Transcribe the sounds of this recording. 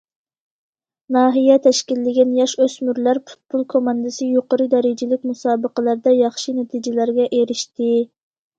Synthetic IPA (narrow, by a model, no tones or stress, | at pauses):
nɑːɦijɛt̪ʰɛʃkʲilːɪɡʲɪnjɑʃøzmyɾlæɾpʰu̥t̪̚pʰulˠkʰomɑnd̪ɨsɨjoqəɾɨd̪ɛɾɪd͡ʒɪlɪkʲmusɑːbəqəlˠæɾd̪ɛjɑχʃinet̪ʰid͡ʒɪlæɾɡʲɛʔeɾɪʃt̪ɪ